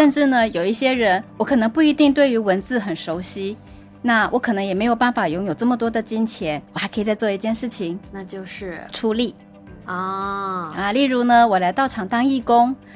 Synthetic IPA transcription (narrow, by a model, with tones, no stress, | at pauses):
ʂə˥˧nʈ͡ʂɻ̩˥˩nə˩jo˨˩ʊi˥˩ɕjɛ˥ɻə˧˥nwɔ˧˥kʰɤ˨˩nɤ˧˥ŋpu˥˩i˧˥t̪i˥˧ŋt̪we˥˩ɪy˧˥wə˧˥nt͡sɹ̩˥˩xə˨˩nʂo˧˥ʊɕi˥ | na˥˩wʔɔ˧˥kʰɤ˨˩nɤ˧˥ŋjɛ˨˩me˧˥ɪjo˨˩pa˥˩nfa˨˩jʊ˧˥ŋjo˨˩ʊʈ͡ʂɤ˥˩mə˩t̪wɔ˥d̪ə˨t͡ɕi˥nt͡ɕʰjɛ˧˥nwɔ˨˩xa˧˥ɪkʰt͡sa˥˧ɪt͡swɔ˥˧i˥˩t͡ɕjɛ˥˧nʂɻ̩˥˩t͡ɕʰi˨˩ŋna˥˧t͡ɕjo˥˧ʊʂɻ̩˥˩ʈ͡ʂʰu˧˥li˨˩˦ | ɔ˥˩ɐ˧li˥˩ɻu˧˥nə˧wɔ˨˩la˧˥ɪt̪ɑ˥˩ʊʈ͡ʂʰɑ˨˩ŋt̪ɑ˥ŋi˥˩kʊ˥ŋ